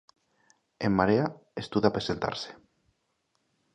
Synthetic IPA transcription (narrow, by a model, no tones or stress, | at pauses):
emːaɾeaest̪uðapɾesent̪a̰ɾse̥